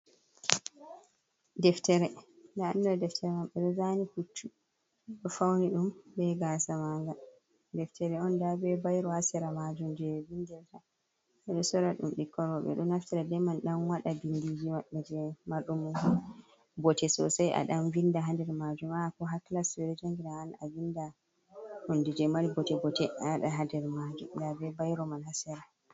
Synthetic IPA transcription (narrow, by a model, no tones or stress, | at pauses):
dɛftɛɾɛndaːnːɔdɛftʰɛɾɛmaɓɛɗɔzanifutʰːu | ɗɔfawniɗumbɛɡasamaŋɡa | dɛftɛɾɛɔndabɛbajɾɔasɛɾamad͡ʒumd͡ʒɛvindɛlta | ɓɛɗɔsɔɾaɗumɗikːɔɾɔɓɛ̰ɗɔnaftɛɾɛdɛmanɗanwaɗabindid͡ʒimaɓːɛd͡ʒɛmaɗum | bɔtɛsɔsajʔa̰ɗamvindaɦandɛɾmad͡ʒumakɔɦaklaswɛdɛd͡ʒaŋɡiɾaana̰vinda | hundid͡ʒɛmalibɔtɛbɔtɛaɗaɦadɛɾmad͡ʒumdabɛbajɾɔmanhasɛɾa